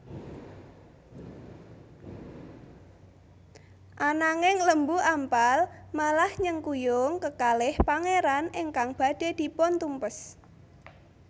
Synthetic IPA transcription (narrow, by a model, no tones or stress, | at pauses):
ʔanaŋɪŋləmbuʔampalmalahɲəŋkujʊŋkəkalɪhpaŋeɾanɪŋkaŋb̥a̤d̥e̤d̪̥i̤pɔnt̪umpəs